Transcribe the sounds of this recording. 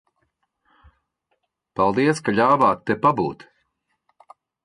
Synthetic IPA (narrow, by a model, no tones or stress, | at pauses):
palˠd̪iɛskaʎʲaːvaːt̪ːepabṵːt̪